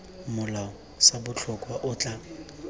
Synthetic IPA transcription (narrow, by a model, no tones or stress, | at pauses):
mʊlaʊ | sabʊt͡ɬʰʊkʼwaʔʊt͡ɬʼa